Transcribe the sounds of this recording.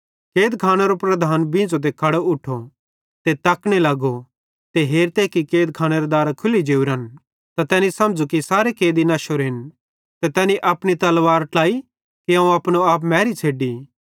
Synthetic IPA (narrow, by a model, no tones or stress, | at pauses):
keːd̪kʰaːñeɾopɾɐd̪ʱaːnbɪ̃ːd͡zod̪̬ekʰːaːɽoʊʈʰːo | t̪et̪ɐkɽ̃elɐɡo | t̪eɦeːɾt̪eːkikeːd̪̚kʰaːɽ̃eɾod̪aːɾakʰʊlid͡ʒeːuɾɐn | t̪at̪ɛːnisɐmd͡zukisaːɾekeːd̪inɐʃoɾɪn | t̪ɛt̪ɛːniʔɐpɽ̃it̪ɐlʋaːɾʈaːi | kiãũɐpñoaːp̬mɛːɾit͡ʃʰeːɖi